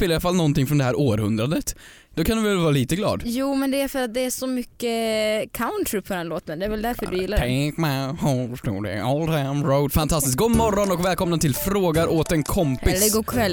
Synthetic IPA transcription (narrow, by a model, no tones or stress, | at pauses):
fɪlːaɾalfalːnɔnt̪ɪŋfɾɔnd̪ɛɦæːɾoːɾhɵnd̪ɾad̪ət̪ | d̪ɔkʰand̪vɪvɛlvɑːɾaliːt̪əɡlɑ̰ːd̪juːmɛnd̪ɛæɾfœɾat̪̚d̪ɛæʂɔmʏkːəkʰaʊnt̪ʰɾɪpʰɔd̪ɛnloːt̪ənd̪ɛæɾvɛld̪æɾfœjɪlːaɛŋkmaholfə̥ʂʈṵːɖɛ̰ɔlt̪ʰamɾoʊd̪fant̪ʰast̪ɪsk̚ɡoːmɔɾːɔnɔkvɛːlkʰɔmnat̪ʰɪlfɾoːɡaɾʔoːt̪ɛnkʰɔmpɪlsːəɡoːkʰvɛlː